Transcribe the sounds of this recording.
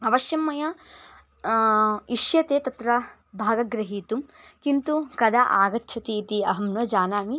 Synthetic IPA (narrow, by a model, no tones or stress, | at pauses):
ɐʋɐʃjɐmːɐjɐ | iʃjɐt̪eːt̪ɐt̪ɾɐ | bʱaːɡɐɡɾɐɦiːt̪umkint̪ukɐd̪ʱɐʔaːɡɐt̪ʰɐt̪it̪iɐɦɐmnʋɐd͡ʒaːnaːmi